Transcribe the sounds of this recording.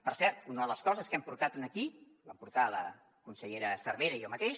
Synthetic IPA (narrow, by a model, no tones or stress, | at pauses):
pəɾsɛɾt̪unəðələskɔzəskɛmpuɾt̪at̪ənəki | bampuɾt̪alə̰ | kunsəʎeɾəsəɾβeɾəiɔmət̪eʃ